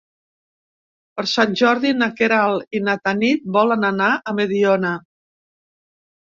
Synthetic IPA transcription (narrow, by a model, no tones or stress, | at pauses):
pəɾsanʲʒɔɾðinakeɾalˠinat̪anit̪̚bɔlənanaʔəmeðiɔnə